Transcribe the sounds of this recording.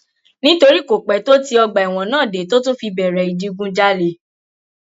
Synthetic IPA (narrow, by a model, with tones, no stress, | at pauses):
nĩ˦to˧ɾi˦˨ko˨k͡pɛ˨˦to˦ti˧ɔ˧ɡ͡ba˨i˨w̃ɔ̃˨nãː˦˨de˨˦to˦tũ˦fi˧bɛ˨ɾɛ˨i˨d͡ʒi˦ɡũ˦d͡ʒa˦le˧˦